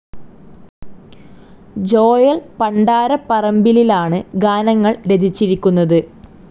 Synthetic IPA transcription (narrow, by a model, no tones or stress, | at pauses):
d͡ʑo̞ːjɐlpɐɳɖaːɾɐpɐrɐmbililaːɳɨɡaːnɐŋːɐɭɾe̞d̪ʱit͡ɕːiɾikʲːunːɐðɨ